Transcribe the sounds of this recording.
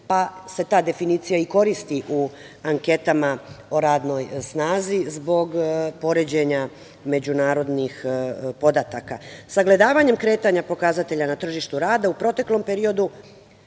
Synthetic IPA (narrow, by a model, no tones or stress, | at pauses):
pase̞t̪aːd̪e̞finiːt̪sijaiko̞ɾist̪iʔu | aŋke̞t̪amaoɾaːd̪no̞jsnaːzizbo̞ɡpo̞ɾe̞d͡ʑe̞ɲa | me̞d͡ʑunaːɾo̞d̪nixpo̞d̪at̪aka̰saɡle̞d̪aːʋaɲe̞mkɾe̞ːt̪aɲapo̞kazat̪e̞ʎanat̪r̩ʒiʃt̪uɾaːd̪aupɾo̞t̪e̞klo̞mpe̞ɾio̞d̪u